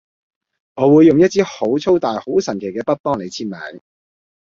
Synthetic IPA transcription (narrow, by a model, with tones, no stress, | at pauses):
ŋɔː˨˧wuː˨˧jːʊ˨ŋjɐ˥t̚t͡siː˥ho˨˥wt͡sʰo˥wt̪aː˨jho˨˥wsɐ˨˩nkʰe˨˩jkɛː˧pɐ˥t̚pɔː˥ŋle˨˧jt͡sʰiː˥t̚maː˨˥n